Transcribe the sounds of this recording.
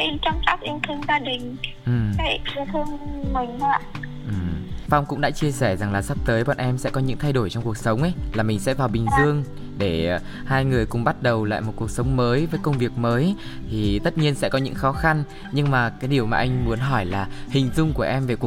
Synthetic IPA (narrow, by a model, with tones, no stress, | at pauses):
ʔi˧t͡ɕɔ˧wŋ͡mt͡ɕa˦˥k̚ʔi˧ənt̪ʰɨ˧əŋzaː˧ɗï˨˩ŋ̟ | ʔɨ˨˩kaː˨˦i˨˧˦t̪ʰɨ˧əŋma˨˩ŋ̟aː˧˨ʔɨ˨˩mfa˧wŋ͡mkʊ̰˧˥ŋ͡mɗa̰ː˧˥t͡ɕi˧əsɛ˧˩za˨˩ŋlaː˨˩sa˦˥p̚t̪əː˨˦jɓa̰ː˧˨nʔɛ˧msɛ̰˧˥kɔ˨˦ɲɨ̰˧˥ŋt̪ʰa˧jɗo˧˩jt͡ɕɔ˧ŋ͡mku˨˩ək̚sə˨˦wŋ͡mʔə˨˦jlaː˨˩mï˨˩ŋ̟sɛ̰˧˥vaː˨˩wɓï˨˩ŋ̟zɨ˧əŋ | ɗe˧˩ | haː˧jŋɨ˨˩əjkʊ̰˨˧˩ŋ͡mɓa˦˥t̚ɗə˨˩wla̰ː˧˨jmo˨˩t̚ku˨˩ək̚sə˨˦wŋ͡mməː˨˦jvəː˨˦jkə˧wŋ͡mvi˨˩ək̚məː˨˦j | t̪ʰi˨˩t̪ə˦˥t̚ɲi˧ənsɛ̰˧˥kɔ˨˦ɲɨ̰˧˥ŋxɔ˨˦xa˧n | ɲɨ˧ŋmaː˨˩kaː˨˦jɗi˨˩əwmaː˨˩ʔa˧ŋ̟mu˨˦ənɦɔ˧˩jlaː˨˩hï˨˩ŋ̟zʊ˧ŋ͡mku˧˩əʔɛ˧mve˨˩ku˨˩